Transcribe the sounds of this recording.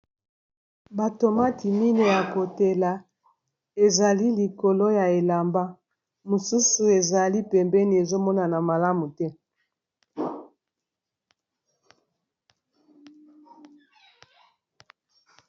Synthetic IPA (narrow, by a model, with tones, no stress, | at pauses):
ba˨to˨ma˦ti˨mi˦ne˨ja˨ko˨te˨la˨ | e˨za˨li˦li˨ko˨lo˦ja˨e˨la˨mba˦ | mo˨su˦su˨e˨za˨li˦pɛ˨mbɛ˦ni˨e˨zo˦mɔ˦na˨na˨ma˨la˦mu˨tɛ˦